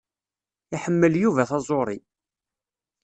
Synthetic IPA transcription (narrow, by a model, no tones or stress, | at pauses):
iħəmːəljuvæθɑzˤoɾˤi